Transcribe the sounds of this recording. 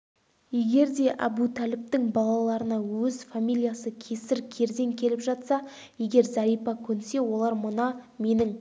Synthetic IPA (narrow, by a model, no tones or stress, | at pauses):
je̞ɡʲe̞ɾd̪e̞ʔɑ̰but̪ʰælɪp̚t̪ɪŋbɑlˠɑlˠɑɾənɑwɵzfamijlijasəkʲʰe̞sɪɾkʲʰe̞ɾd̪e̞ŋkʲʰe̞lɪpʒɑt̪sɑ | je̞ɡʲe̞ɾzæɾijpɑkʲʰɵnse̞wo̞lˠɑɾmʊnɑme̞nɪŋ